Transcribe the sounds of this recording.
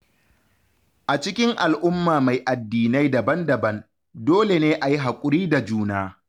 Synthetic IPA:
ʔa˨t͡ʃɪ˦kʲɪ˦ŋʔa˨lʔʊ˦mːaː˨ma˨jʔa˨dːiː˨na˦jdɐ˨bɐ˦ndɐ˨bɐ˦n | doː˦le˨neː˦ʔa˨ji˦ɦa˨kʷʼʊ˦ɾiː˦da˨d͡ʒuː˦naː˦

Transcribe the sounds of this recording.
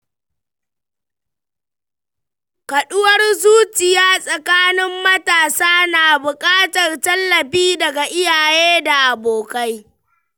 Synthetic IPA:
kɐ˨ɗʊ˦wɐ˦rzuː˦t͡ʃɪ˨jaː˦sʼɐ˨kaː˦nɪ˦mːɐ˦taː˨saː˦naː˨bʊ˨kʼaː˦tɐ˨rtɐ˦lːɐ˨ɸiː˦dɐ˨ɡa˨ʔɪ˦jaː˨jeː˦da˨ʔa˨boː˨ka˦j

